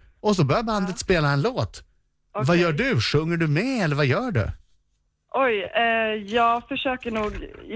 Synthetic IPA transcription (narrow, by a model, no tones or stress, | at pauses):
ɔs̬ɔbœːɾjaband̪ət̪speːlaɛnloːt̪ | vajœːɖɵʂɵŋːəɖɵmɛɛlːəɾvajœːɖɵ̰ | ʔɔjɛjɑːɡfœʂøːkəɳuːɡ